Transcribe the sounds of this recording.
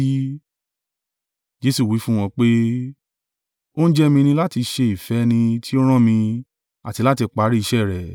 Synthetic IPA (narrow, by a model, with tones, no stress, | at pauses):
d͡ʒe˦su˦˨wi˨˦fũ˦w̃ɔ̃˧k͡pe˦ | o˦n̩˦d͡ʒɛ˦mĩ˧nĩ˧la˦ti˧ʃe˧i˨fɛ˨˦nĩ˧tʰi˦o˦ɾ̃ã˦˨mĩ˧ | a˨ti˧la˦ti˧k͡pa˨˦ɾi˦i˧ʃɛ˦˨ɾɛ˨